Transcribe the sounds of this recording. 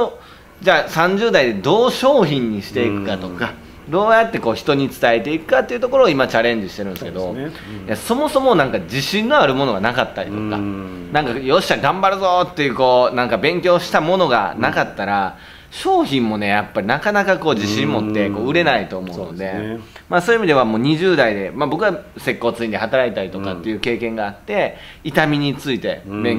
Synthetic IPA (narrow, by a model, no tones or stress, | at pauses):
o | d͡ʑaːsãɲ̟d͡ʑɨːd̪aid̪e̞d̪o̞ːɕo̞ːçĩɲ̟ːiɕi̥t̪e̞ikɯ̟̥kat̪o̞ka | d̪o̞ːjat̪ːe̞ko̞ːçi̥t̪oɲ̟it͡sɨ̥t̪aet̪e̞ikɯ̟̥kat̪ːeiɯ̟t̪o̞ko̞ɾo̞ːimat͡ɕaɾẽ̞ɲ̟d͡ʑiɕi̥t̪e̞ɾɯ̟̃nsɨke̞d̪o̞ | jaso̞mo̞so̞mo̞nãŋkad͡ʑiɕĩnːo̞aɾɯ̟mo̞no̞ɡanakat̪ːaɾʲit̪oka̰ | nãŋkajo̞ɕi̥aɡãmbaɾɯ̟zoːt̪ːe̞jɯ̟ːko̞ːnãŋkabẽ̞ŋkʲo̞ːɕi̥t̪amo̞no̞ɡa̰nakat̪ːaɾa | ɕo̞ːçĩmːo̞ne̞japːaɾʲinakanakako̞ːd͡ʑiɕĩmmo̞t̪ːe̞ko̞ːɯ̟ɾe̞nait̪o̞ːmo̞ɯno̞d̪e̞maso̞ːimid̪e̞βamo̞ːɲ̟iʑɨːd̪aid̪e̞mabo̞kɯɡase̞kːo̞ːt͡sɨĩɲd̪ehat̪aɾait̪aɾit̪o̞kat̪ːe̞jɯ̟ːke̞ːkẽ̞ŋɡaːt̪ːe̞ | it̪amʲiɲ̟it͡sɨit̪e̞bẽŋ